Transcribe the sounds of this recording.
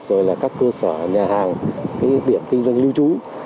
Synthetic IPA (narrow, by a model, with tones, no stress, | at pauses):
zo˨˩jlaː˨˩kaː˦˥kːəː˧səː˧˩ɲaː˨˩haː˨˩ŋkaː˨˦jɗi˧˩əmkï˧ŋvə˧nli˧wt͡ɕu˨˦